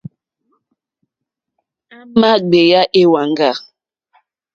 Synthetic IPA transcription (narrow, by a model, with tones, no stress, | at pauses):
a˦ma˦ɡ͡be˨ja˦ʔe˦wa˨ŋ˦ɡa˦˨